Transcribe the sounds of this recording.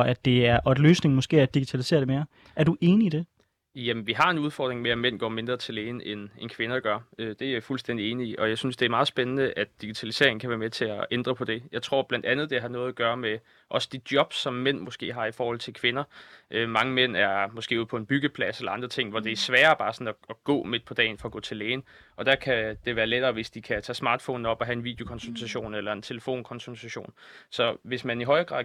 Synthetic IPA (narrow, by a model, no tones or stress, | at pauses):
ʔæd̥e̝æɐʔɒd̥løːsne̝ŋmɒ̽sɡ̥e̝̰ːæd̥iɡ̥i̥t͡sʰælise̝̰ːɐɾ̥e̝me̝ːɐ | æɐd̥uʔe̝ːniid̥e̝ | jæmnʋiɦɑ̈e̝nuð̞ˠfɒ̰ːd̥ʁeŋmeæmen̰ɡ̥ɒ̰ːme̝nd̥ʁɐt͡sʰe̝le̝ːnəʔenenkʰʋe̝nɐɡ̥ɶɐød̥e̝æjafulsd̥en̰d̥ie̝ːniiʔɒ̽jɑ̈ɪsynsd̥eæɐmɑ̈ːð̩ˠsb̥enənəʔæd̥d̥iɡ̥it͡sʰælise̝ɐe̝ŋ̩kʰæʋæːɐmet͡sʰe̝æend̥ʁɐpʰɒ̽d̥e̝jɑ̈ɪt͡sʰʁo̝ɐ̰b̥lænd̥ænð̩ˠd̥e̝ɦɑ̈nɔ̽ːð̩ˠæɡ̥ɶːɐme | ʔɒ̽sə̥d̥id̥jɒ̽b̥sɒ̽mːen̰mo̽sɡ̥e̝̰ːɦɑ̈ifɒːhɒl̰t͡sʰe̝lkʰʋe̝nɐʔømɑ̈ŋəmen̰æɐmo̽sɡ̥e̝̰ːuð̩̰ˠpʰɒ̽e̝nb̥yɡ̥əpʰlæselɐɑ̈nd̥ʁɐt͡sʰe̝ŋ̰ʋɒd̥e̝æɐsʋɛːɐb̥ɑ̈ːsɒ̽nɒɒɡ̥ɔ̰̽ːme̝d̥̚pʰɒ̽d̥ɛ̰ɪn̩fɒ̽ɡ̥ɔ̰ːt͡sʰe̝leːn̩ | ʔɒ̽d̥ækʰæd̥e̝ʋæːɐleɾ̥ɐːʋe̝sd̥ikʰæt͡sʰɛ̰ːsmɑ̈ːd̥fɔ̰ːn̩ɒ̽b̥ɒɦæe̝nʋḭːd̥jo̝kʰɒ̽nsut͡sʰæɕo̝̰ːnelɐe̝nt͡sʰe̝ləfo̝̰ːnkʰɒ̽nsut͡sʰæɕo̝̰ːnsɒ̽ʋe̝smæniɦɒ̽ɪɐɡ̥ʁɑ̈ð̰ˠ